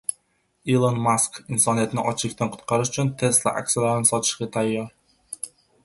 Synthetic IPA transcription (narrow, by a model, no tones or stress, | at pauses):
ilˠonmaskɪnsɒnijat̪ɪnɪʔɒt͡ʃʰɪlɪkʲt̪ʰanqʰʊ̥t̪qʰɑɾɪʃʊt͡ʃʰʊnt̪ʰe̞st̪lˠa̰ʔa̰kʲsʲalaɾɪnɪsɒt̪ʰɪ̥ʃɡʲat̪ʰajːɒɾ